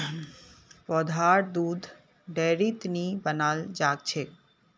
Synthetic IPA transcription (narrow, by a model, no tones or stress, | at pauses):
pɔːd̪ʱaɾd̪uːd̪ʱ | ɖeːɾit̪nibənaːld͡ʒaːkt͡ʃʰe